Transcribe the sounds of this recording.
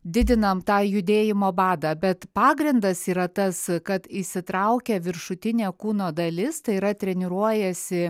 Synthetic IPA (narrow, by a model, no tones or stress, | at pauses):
d̪ʲɪd̪ʲɪnɐmt̪ɑːjʊd̪ʲeːjɪmoːbɑːd̪ɑbʲɛt̪pɑːɡɾʲɪnd̪ɐsiːɾɐt̪ɐskɐt̪ɪʃsʲɪt̪ɾɐʊkʲɛʋʲɪɾʃʊt̪ʲɪnʲeːkuːnoːd̪ɐlʲɪst̪ɐɪiɾɐt̪ʲɾʲɛnʲɪɾuɔjɛsʲɪ